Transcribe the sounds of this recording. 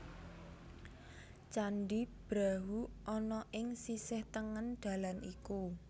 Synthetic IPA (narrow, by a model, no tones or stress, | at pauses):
t͡ʃanɖib̥ɾaɦuʔɔnɔʔɪŋsisɪht̪əŋənɖ̪̥a̤laniku